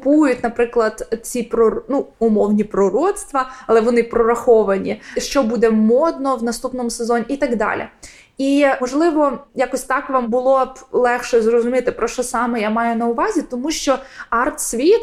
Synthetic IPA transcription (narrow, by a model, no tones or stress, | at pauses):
pujʊtʲnɐpɾɪklˠɐd̪̥t͡sʲipɾɔnuʊmɔwnʲipɾɔɾɔt̪st̪ʋɐɐlˠɛʋɔnɪpɾɔɾɐxɔʋɐnʲiʃt͡ʃɔbud̪ɛmɔd̪nɔwnɐst̪upnɔmʊsezɔnʲːiːt̪ɐɡd̪ɑ̰lʲḭ | imɔʒlˠɪʋɔjakɔsʲt̪ɑkʋɑmbʊlˠɔblˠɛxʃɛzrɔzʊmʲit̪ɪpɾɔʃt͡ʃɔsɑmɛjamɑjʊnɐʊʋɑzʲit̪ɔmuʃt͡ʃɔɑrt̪sʲʋʲit̪